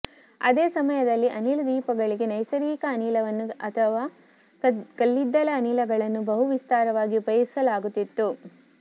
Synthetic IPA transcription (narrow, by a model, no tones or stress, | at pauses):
ɐ̰d̪eːsɐmɐjɐd̪ɐlːiʔɐniːlɐd̪iːpɐɡɐɭiɡe̞nɐjsɐɾiːkɐːniːlɐʋɐnːuɐt̪ʰɐʋaː | kɐlːid̪ːɐlɐːniːlɐɡɐɭɐnːubɐɦuʋist̪aːɾɐʋaːɡiubɐjɐsɐlaːɡut̪ːit̪ːu